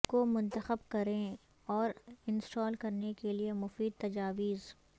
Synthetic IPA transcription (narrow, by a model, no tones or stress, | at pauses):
komʊ̃nt̪əxəb̚kɐɾẽ | ɔːɾɪnsʈɔːlkɐɾnekeliemʊfiːd̪̚t̪ɐd͡ʒaːʋiːz